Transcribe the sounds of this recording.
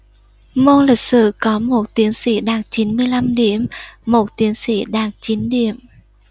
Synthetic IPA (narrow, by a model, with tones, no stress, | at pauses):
mo˧nli˨˩k̚sɨ̰˧˨kɔ˨˦mo˨˩t̚t̪i˨˦ənsḭ˧˥ɗaː˨˩k̚t͡ɕi˨˦nmɨ˧əjla˧mɗe˨˩əmːo˨˩t̚t̪i˨˦ənsḭ˧˩ɗaː˨˩k̚t͡ɕi˨˦nɗḭ˧˨əm